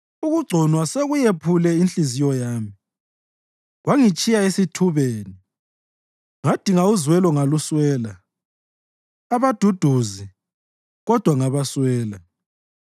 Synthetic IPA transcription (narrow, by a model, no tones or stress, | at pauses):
uɣuɡ͡ǀʱɔnwaseɣujepʰulɛint͡ɬʼizijɔjaːmi | ɣwaŋit͡ʃʼijaesitʰuβeːni | ŋad̥ʱiŋauzwɛlɔŋaluswɛːla | aβad̥ʱud̥ʱuzi | ɣɔd̥ʱwaŋaβaswɛːla